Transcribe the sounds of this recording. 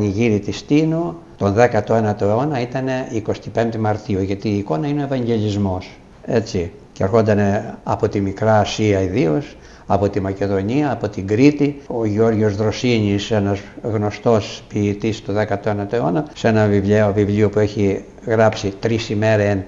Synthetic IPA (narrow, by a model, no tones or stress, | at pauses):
ɲiʝiɾit̪ist̪inu | t̪o̞nðe̞kɐt̪oenɐt̪oeo̞nɐit̪ɐne̞iko̞st̪ipe̞mt̪emɐɾt̪ioʝɐt̪iːko̞nɐineo̞e̞vɐɲɟe̞lizmo̞s | e̞t͡si | ceɐɾxo̞nd̪ɐneɐpo̞t̪imikɾɐːsiɐiðio̞s | ɐpo̞t̪imɐce̞ðo̞ɲiɐːpo̞t̪iŋɡɾit̪ioʝeo̞ɾʝo̞zðɾo̞siɲisenɐsɣno̞st̪o̞spiːt̪ist̪oðekɐt̪oenɐt̪oeo̞nɐse̞nɐvivleovivliopueçi | ɣɾɐpsit̪ɾisime̞ɾen